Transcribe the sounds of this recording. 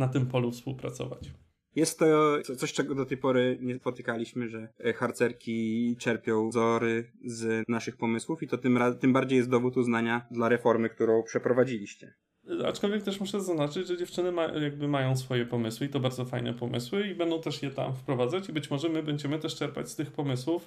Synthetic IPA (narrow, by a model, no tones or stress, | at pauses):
nat̪ɘmpɔlufspṵwpɾa̰t̪sɔ̰va̰t͡ɕ | jɛst̪ːɔɔt̪sɔɕt͡ʂɛɡɔd̪ɔt̪ɛjpɔɾɘɲɛspɔt̪ɘkalʲiɕmɘʐɛxaɾt̪sɛɾkʲit͡ʂɛɾpʲjɔ̃w̃zɔɾɘznaʂɘxpɔmɘswufit̪ɔt̪ɘmat̪ɘmbaɾd͡ʑejɛst̪d̪ɔvut̪uznaɲad̪laɾɛfɔɾmɘk̚t̪uɾɔ̃w̃pʂɛpɾɔvad͡ʑilʲiɕt͡ɕɛ | a̰t͡ʂkɔlvʲjɛk̚t̪ɛʂmuʂɛzaznat͡ʂɘd͡ʑʐɛd͡ʑɛft͡ʂɘnɘma̰jaɡ̚bɘmajɔ̃w̃sfɔjɛpɔmɘswɘit̪ɔbaɾd̪zɔfajnɛ̰pɔmʔɘ̰swɘibɛnd̪ɔ̃w̃t̪ɛʂjɛt̪a̰mfpɾɔvad̪zat͡ɕibɘt͡ɕmɔʐɛmɘbɛɲd͡ʑɛmɘt̪ɛʂt͡ʂɛɾpa̰t͡ɕst̪ɘxpɔmɘswuf